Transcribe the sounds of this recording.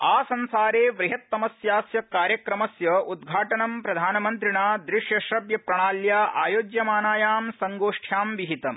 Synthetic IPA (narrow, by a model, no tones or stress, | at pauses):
aːsɐnsaːɾeːʋɾiɦɐt̪ːɐmɐsjaːsjɐkaːɾjɐkɾɐmɐsjɐud̪ɡʱaːʈɐnɐmpɾɐd̪ʱaːnɐmɐnt̪ɾiɳaːd̪ɾɪʃjɐʃɾɐbjɐpɾɐɳ̃aːljaːʔaːjoːd͡ʒjɐmaːnaːjaːmsɐŋɡoːʂʈʰjaːmʋiɦit̪ɐm